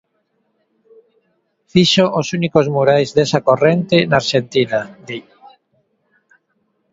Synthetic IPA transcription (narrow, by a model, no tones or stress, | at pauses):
fiʃoʔosunikozmuɾajzðesakorent̪enaːɾʃent̪inad̪i